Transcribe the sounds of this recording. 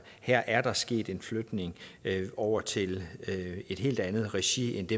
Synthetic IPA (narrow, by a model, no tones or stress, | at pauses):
hæɐ̰ʔæɐd̥ɑ̈sɡ̥e̝̰ːd̥e̝nflød̥ne̝ŋɒʊ̰ɐt͡sʰe̝l | e̝d̥ɦe̝̰ːld̥ænð̞̩ˠʁɛɕiend̥e̝